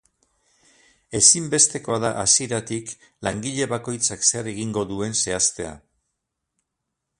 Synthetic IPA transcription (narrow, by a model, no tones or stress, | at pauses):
e̞simbe̞st̪e̞ko̞aðaʔasie̞ɾat̪ik | laŋɡiʎe̞βako̞jt͡sakse̞re̞ɣ̞iŋɡo̞ðue̞nse̞ast̪e̞a̰